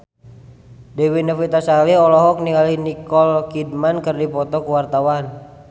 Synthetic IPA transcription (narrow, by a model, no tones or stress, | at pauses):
dɛwinafit̪asaliɔlɔɦɔk̚niŋalinikɔlkidmankərdipɔt̪ɔkuwart̪awan